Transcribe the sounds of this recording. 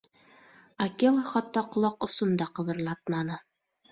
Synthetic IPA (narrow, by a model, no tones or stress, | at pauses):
ɐkelˠχɑt̪ːɑqŏlˠɑqŏsɤ̆nd̪ɑqɤ̆βɤ̆ɾlˠɑt̪̚mɑnɤ